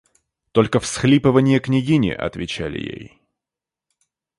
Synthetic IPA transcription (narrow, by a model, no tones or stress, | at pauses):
t̪o̞lʲkəfsxlʲipəvənʲɪjəknʲɪɡʲinʲɪ̰ʔɐ̰t̪vʲɪt͡ɕælʲɪ̰jḛj